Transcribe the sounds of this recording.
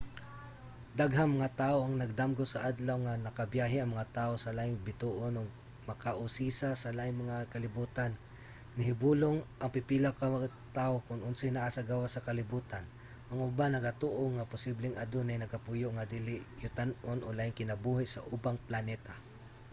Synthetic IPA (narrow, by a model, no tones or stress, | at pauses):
d̪aɡɦaŋmɐŋat̪aːʔoɐŋnɐɡ̚d̪amɡosaʔad̪lawŋanɐkabjaːɦɪɐŋmɐŋat̪aːʔosɐlaːʔɪŋbɪt̪uʔonoɡ̚ | mɐkaʔʊsisasalaːɪŋmɐŋakɐlɪbuːt̪anː | ɪɦɪbuːloŋʔɐŋpɪpilawkaa | t̪aʔokʊnʔʊnsɪjnaʔasaɡawasɐkalɪbuːt̪an | ʔɐŋʊbanɐɡat̪oʔoŋapʊsiblɪŋad̪ʊnajnɐɡapʊjʊʔŋad̪iːlɪʔjʊt̪anonʔolaːʔɪŋkɪnɐbuɦɪʔsɐ̰ʔʊbaŋplanɛt̪a